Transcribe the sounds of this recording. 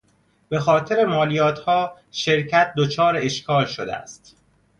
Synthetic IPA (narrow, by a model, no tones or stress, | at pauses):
b̥e̞xɒːt̪ʰe̞ɾe̞mɒːlijɒːt̪hɒː | ʃe̞ɾcʰæt̪̚d̪ot͡ʃʰɒːɾeeʃkʰɒːlʃod̪ḛæ̰st̪